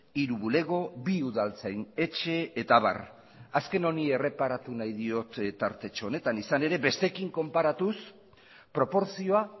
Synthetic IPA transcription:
iɾuβule̞ɣo̞βiuðalt͡sajne̞t͡ʃe̞ːt̪aβa̰r | aske̞no̞nie̞re̞paɾat̪unajðio̞t̪t̪aɾt̪e̞t͡ʃone̞t̪anisane̞ɾe̞βe̞st̪e̞kiŋko̞mpaɾat̪us | pɾo̞po̞ɾsio̞a

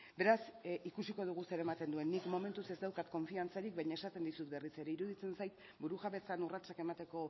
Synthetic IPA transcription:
be̞ɾasikusiko̞ð̞uɣ̞use̞ɾe̞mat̪e̞nd̪ue̞nːikmo̞me̞nt̪use̞zd̪awkat̪̚ko̞ɱfiant͡saɾikβaɲae̞sat̪e̞nd̪isut̪be̞rise̞ɾe̞iɾuðit͡se̞nsajt̪ | buɾuʝaβe̞t͡sanurat͡sake̞mat̪e̞ko̞

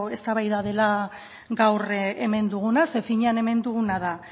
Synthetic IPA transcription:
e̞st̪aβajðað̞e̞la | ɡawre̞me̞nd̪uɣ̞unase̞fiɲeane̞me̞nd̪uɣunaða

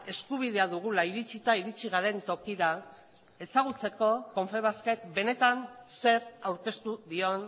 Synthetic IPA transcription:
e̞skuβ̞iðe̞aðuɣ̞ulaiɾit͡sit̪aiɾit͡siɣ̞aɾe̞nt̪o̞kiɾa | e̞saɣ̞ut͡se̞ko̞ko̞ɱfe̞β̞askek̚be̞ne̞t̪anse̞ɾawɾke̞st̪uðio̞n

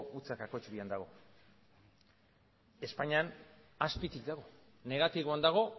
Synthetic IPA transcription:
ut͡sakako̞t͡ʃβiand̪aɣ̞o̞ | e̞spaɲanaspit̪ikd̪aɣo̞ | ne̞ɣat̪iɣoand̪aɣ̞o̞

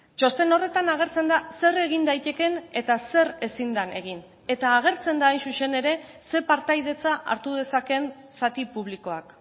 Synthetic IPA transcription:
t͡ʃo̞st̪e̞no̞re̞t̪anaɣ̞e̞ɾt͡se̞nd̪ase̞re̞ɣ̞ind̪ajt̪e̞ke̞ne̞t̪ase̞re̞sind̪ane̞ɣ̞in | e̞t̪aːɣ̞e̞ɾt͡se̞nd̪aːjnsuʃe̞ne̞ɾe̞ | se̞paɾt̪ajð̞e̞t͡saʔa̰ɾt̪uð̞e̞sake̞n | sat̪ipuβ̞liko̞ak

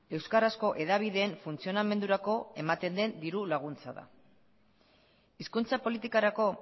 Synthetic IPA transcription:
e̞wskarasko̞ʔe̞ðaβ̞iðe̞ːɱfunt͡sio̞name̞nd̪uɾako̞e̞mat̪e̞nd̪e̞nd̪iɾulaɣ̞unt͡saða̰ | iskunt͡sapo̞lit̪ikaɾako̞

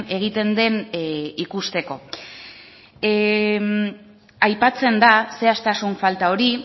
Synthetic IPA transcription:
e̞ɣit̪e̞nd̪e̞nikust̪e̞ko̞ | ajpat͡se̞nd̪ase̞ast̪asuɱfalt̪ao̞ɾi

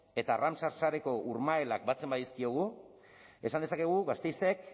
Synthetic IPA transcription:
e̞t̪aramsaɾsaɾe̞ko̞ʔuɾmaelak̚bat͡se̞mbajeskio̞ɣ̞u | e̞sand̪esake̞ɣ̞uɣast̪ejse̞k̚

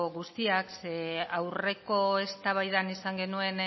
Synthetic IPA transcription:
ɣust̪iakseawre̞ko̞est̪aβ̞ajðanisaŋɡe̞nue̞n

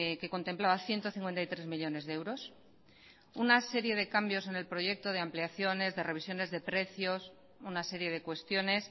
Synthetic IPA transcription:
ke̞ko̞nt̪e̞mplaβaθje̞nt̪o̞θiŋkwe̞nt̪ajt̪ɾe̞zmiʎo̞ne̞zðeewɾo̞s | unase̞ɾje̞ð̞e̞kambjo̞se̞ne̞lpɾo̞ʝe̞k̚t̪o̞ð̞eampliaθjo̞ne̞zðe̞re̞β̞isjo̞ne̞zðe̞pɾe̞θjo̞s | unase̞ɾje̞ðe̞kwe̞st̪jo̞ne̞s

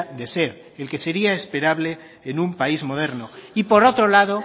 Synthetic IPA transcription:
d̪e̞se̞ɾ | elke̞se̞ɾiaespe̞ɾaβle̞ː | nũmpaizmo̞ð̞e̞ɾnoipo̞ɾo̞t̪ɾolaðo

